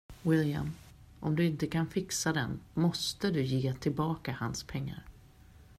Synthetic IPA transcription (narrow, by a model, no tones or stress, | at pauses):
wɪlja̰m | ʔɔmd̪ɵɪnt̪əkʰanfɪksad̪ɛnmɔst̪əd̪ɵjeːt̪ʰɪlbɑːkahanspʰɛŋːa̰ɾ